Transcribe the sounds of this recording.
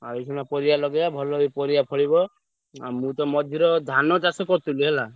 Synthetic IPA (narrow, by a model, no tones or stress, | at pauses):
a̰ɾikʰɔnapɔɾijalɔɡejabʱɔlɔipɔɾijapʰɔɽibɔ | a̰mũt̪ɔmɔd̪ʱiɾɔd̪ʱanɔt͡ʃasɔkɔɾt̪uliɦela